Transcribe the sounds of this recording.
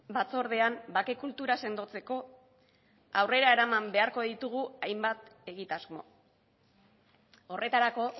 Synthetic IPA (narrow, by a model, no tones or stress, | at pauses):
bat͡so̞ɾð̞e̞ambake̞kult̪uɾase̞nd̪o̞t͡se̞ko̞ | awre̞ɾae̞ɾamambe̞aɾko̞ðit̪uɣ̞uajmbat̪e̞ɣit̪azmo̞̰ | o̞rʔe̞t̪aɾako̞